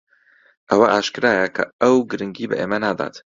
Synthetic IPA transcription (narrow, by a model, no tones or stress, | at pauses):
ʔɐwɐʔaːʃkɨɾaːjɐkʰɐ̰ɐwɡɨɾɨŋɡiːbɐ̰ʔḛːmɐnaːd̪a̰ːt̪